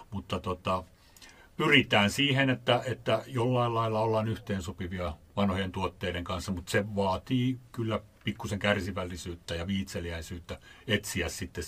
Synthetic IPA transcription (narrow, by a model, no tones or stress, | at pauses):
mut̪ːɑt̪ot̪ɑ | pyrit̪æːnsiːhenet̪ːæet̪ːæjolːɑilɑilːɑolːɑːnyht̪eːnsupiʋiɑʋɑnhojent̪uot̪ːeiɾeŋkɑnsːɑmut̪seʋɑːt̪iːkylːæ | pikːuseŋkærsiʋælːisyːt̪ːæjɑʋiːt̪seliæisyːt̪ːæet̪siæssit̪ːe